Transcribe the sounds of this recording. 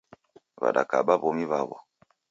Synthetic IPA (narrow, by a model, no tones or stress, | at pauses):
βa̰ɗakaɓaβɔmiβaβɔ